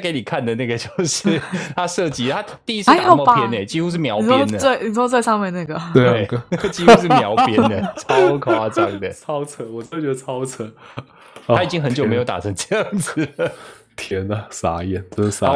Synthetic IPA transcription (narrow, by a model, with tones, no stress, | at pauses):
ke˧˦ɪni˨˩kʰa˥˨˩nd̪ə˩na˥˩ɡə˩t͡ɕjo˥˩˧ʊʂɻ̩˥˩t̪ʰa˦˥ʂɤ˥˧t͡ɕi˧˥t̪ʰa˦˥t̪i˥˧˥s̩˥˦mo˥˩pjɛ˥ne˨˩t͡ɕi˥xu˥ʂ̬ɻ̩˥˩mjɑ˧˥ʊ˨jɛ˦˥˧nd̪ə˨we˥˩ɪni˨˩˥t͡swa˥˧ɪʂɑ˥˧ŋmjɛ˥˧nna˥˩ɡə˩we˥˩˥t͡ɕi˥xu˥ʂ̬ɻ̩˥˩m˧jɑ˧˥ʊpʰjɛ˦˧nd̪ə˨t͡sʰɑ˦˥ʊkʰwwa˥t͡sɑ˥˧ŋd̪ə˩t͡sʰɑ˦˥ʊt͡sʰə˧˥nwɔ˨˩t͡ɕt͡ɕɥɛ˧d̪ə˧t͡sʰɑ˦˥ʊt͡sʰə˧˥˦ | a˥i˨˩t͡ɕi˦ŋxə˧˦nt͡ɕjo˨˩me˧˥ɪjo˧˦ʊt̪a̰˨˩ʈ͡ʂʰə˧˦ŋʈ͡ʂɤ˥˧jɑ˥˩ŋd͡z̩˨˩ | t̪ʰjɛ˧˥nɐ˨sa̰˨˥jɛ˨˩no˥˧ʊʂ̩˥˩sa˨˥